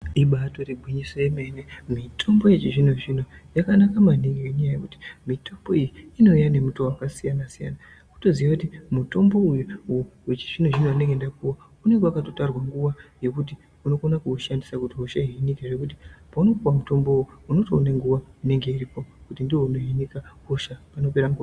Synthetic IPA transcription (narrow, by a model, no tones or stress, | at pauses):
iɓato̞ribʱwiɲisojeme̞nemitʰo̞mbo̞je̞t͡ʃiʐin̤uʐinojakanakamanikeɲajajekuti̥mitʰo̞mbo̞ijiːno̞ijane̞mutowakasijanasija̰na | kuto̞ziʋakutimuto̞mbo̞ujuuwet͡ʃi̥ʐin̤oʐinoane̞ŋɡendakuwa | une̞ŋɡewakato̞tarwaŋɡuʋaje̞kuti | uno̞ko̞nakuːʃandisakutiɦoʃaɦiinikeʐe̞kut̬ipauno̞kuwamuto̞mbo̞uuno̞toːneŋɡuʋaune̞ŋɡe̞iripo̞kutindiwo̞uneɦinikakoʃapano̞pe̞ɾaŋɡua